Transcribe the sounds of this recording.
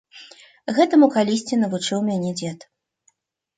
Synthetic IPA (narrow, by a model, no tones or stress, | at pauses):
ɣɛt̪ɐmukalʲisʲt͡sʲinɐvut͡ʂɨwmʲanʲɛd͡zʲɛt̪